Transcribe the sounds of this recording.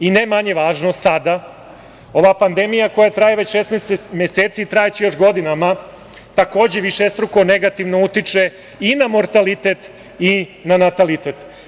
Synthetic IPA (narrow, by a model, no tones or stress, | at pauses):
inemaɲe̞ʋaːʒnosad̪a | o̞ʋapand̪e̞mijako̞jat̪ɾajeʋe̞t͡ɕʃest̪mesmeseːt̪sit̪ɾajet͡ɕijo̞ʃɡo̞d̪inama | t̪ako̞ːd͡ʑe̞ʋiʃest̪ɾukoneɡat̪iʋnout̪it͡ʃe̞ | inamo̞ɾt̪alit̪e̞t̪ | inanat̪alit̪eːt̪